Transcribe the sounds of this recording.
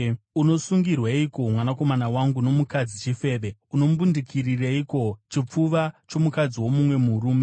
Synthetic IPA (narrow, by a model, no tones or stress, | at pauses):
uno̞suŋɡirwaiko̞mwanako̞manawaŋɡuno̞mukad͡zit͡ʃife̞ːʋeuno̞mbundikʰirireiko̞t͡ʃip͡fuʋat͡ʃo̞mukad͡ziwo̞mumwe̞muruːme